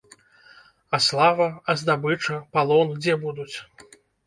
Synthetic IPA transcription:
ɐslˠavɐɐzd̪abɨt͡ʂɐpalˠɔnɡd͡zʲɛbud̪ut͡sʲ

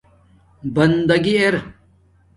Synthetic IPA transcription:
bɐnd̪ɐɡieɾ

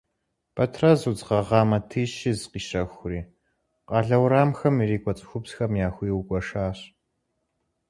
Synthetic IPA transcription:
pʰɐtʰrɐzud͡zʁɐʁɑːmɐtʰiːɕɪzqiːʃɐxʷʊriː | qɑːɮɐwɾaːmxɐmiɾiːkʷʼɔt͡sʼɨ̥xʷʊbsxɐmjaːxʷiːwkʷʼɔʂaːɕ

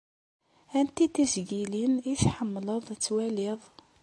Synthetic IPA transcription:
ænt̪it̪izɡiliniθħəmːləðˤt͡sːwælɪðˤ

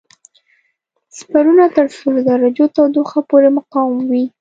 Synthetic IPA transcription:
spaɾunat̪əɾsuld̪aɾad͡ʒot̪awd̪oxapoɾemʊqɑwɪmwi

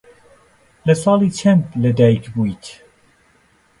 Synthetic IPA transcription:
lɨsɑːliːt͡ʃʰɛnt̪lɨd̪ɛjkbuit̪

